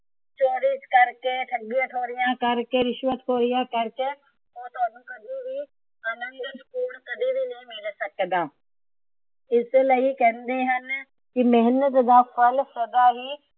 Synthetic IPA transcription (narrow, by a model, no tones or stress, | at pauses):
t͡ʃoːɾɪt͡ʃkəɾkeːʈʰəɡiãːʈʰoːɾɪjãːkəɾkeːɾɪʃʋət̪koːɾɪjãːkəɾkeː | oːt̪ʊaːnũːkəd̪ʱiːbiː | ənənd̪skuːlkəd̪iːbiːnəĩːmɪlsəkd̪aː | ɪsləiːkɛ̃ːnd̪eːɦən | kɪmɛɦnət̪d̪aːpʰəlsəd̪aːɦiː